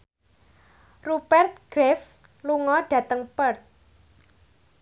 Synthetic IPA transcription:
rubɛrt̪̚ɡ̥ɾɛf | luŋɔɖ̥ä̤t̪əŋpərt̪̚

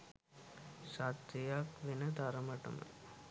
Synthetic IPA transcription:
ʃat̪ːejakʋinɐd̪ʱɐɾɐmɐʈɐ̰mə̰

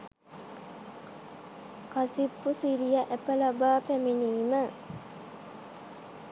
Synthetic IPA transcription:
kasipːusiɾijaʔæpəlabaːpæmeniːmə

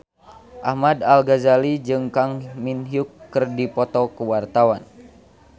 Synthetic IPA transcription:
ʔahmadalɡazalid͡ʒɨŋkaŋminɦiukːɨrdipɔt̪ɔkəwart̪awan

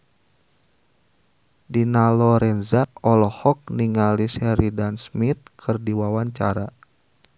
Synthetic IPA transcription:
dinalɔɾɛnzaɔlɔhɔk̚niŋalisɛɾidansmit̪̚kʰɨrdiwawaɲt͡ʃaɾa

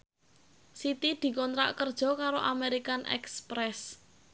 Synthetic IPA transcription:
sit̪id̪̥i̤kɔnt̪ɾa̰ʔkərd̥ʒ̥ɔ̤kaɾoʔa̰meɾikanʔɛ̰kspɾɛs

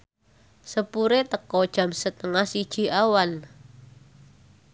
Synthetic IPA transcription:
səpuɾet̪əkɔd̥ʒ̥a̤msət̪əŋahsid̥ʒ̥i̤ʔawan

